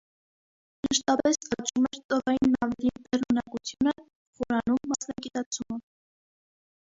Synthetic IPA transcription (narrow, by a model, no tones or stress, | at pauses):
məʃt̪ɑpɛsk̪ɑt͡ʃʰumɛɾt̪ɔʁɑjinːɑvɛlib̪ɛrunɑkut͡sʰjunə | χɔɾɑnumːɑsnɑɡit̪ɑt͡sʰumə